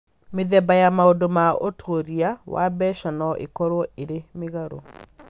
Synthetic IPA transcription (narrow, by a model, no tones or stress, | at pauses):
meðɛbajamaodomaotʰoɾiawa̰bɛʃanɔʔḛkɔɾwɔeɾemeɣaɾo